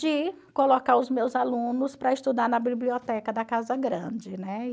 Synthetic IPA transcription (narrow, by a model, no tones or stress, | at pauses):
d͡ʒɪ | kolokaɾʊzmewzalũnʊspɾɐɪst̪ud̪aɾnɐbibliɔt̪ɛkɐd̪ɐkazɐɡɾɐ̃d͡ʒɪnɛ